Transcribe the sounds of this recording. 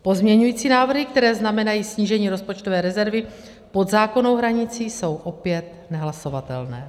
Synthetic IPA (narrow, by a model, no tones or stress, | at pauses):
po̞zmɲɛɲujiːt͡siːnaːvr̩ɦɪk̚t̪ɛɾɛːznamɛnajiːsɲiːʒɛɲiːɾo̞spot͡ʃto̞vɛːɾɛzɛɾvɪ | po̞d̪zaːko̞no̞wɦɾaɲɪt͡siːso̞wʔo̞pjɛt̪̚ | nɛɦlaso̞vat̪ɛ̰lnɛː